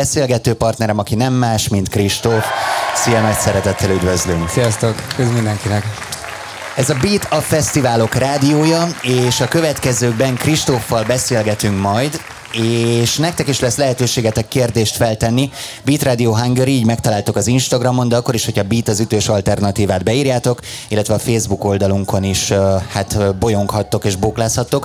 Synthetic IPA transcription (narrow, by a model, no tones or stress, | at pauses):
bɛseːlɡɛt̪øːpɒrt̪nɛɾɛmɒkinɛmːaːʃmint̪kriʃt̪ofsijɛnɒcsɛɾɛt̪ɛt̪ːɛlyd̪vø̞zlyŋksijɒst̪okøzmind̪ɛŋkinɛk | ɛzɒbiːt̪ɒfɛst̪ivaːlo̞kraːd̪ijoːjɒeːʃɒkø̞vɛt̪kɛzøːɡ̚bɛŋkriʃt̪ofːɒlbɛseːlɡɛt̪yŋkmɒjd̪ | eːʃnɛkt̪ɛkiʃlɛslɛɦɛt̪øːʃeːɡɛt̪ɛkːeːrd̪eːʃt̪fɛlt̪ɛnːi | biːt̪raːd̪ijoːɦaŋɡøɾiiːɟmɛk̚t̪ɒlaːlt̪okɒzinʃt̪ɒɡrɒmo̞nd̪ɛɒkːo̞ɾiʃho̞cʰɒbiːt̪ɒzyt̪øːʃɒlt̪ɛrnɒt̪iːvaːd̪̚bɛiːrjaːt̪o̞kilːɛt̪vɛɒfeːzbuko̞ld̪ɒluŋko̞niʃhat̪bo̞jo̞ŋkhɒt̪ːo̞keːʒboːklaːshɒt̪ːok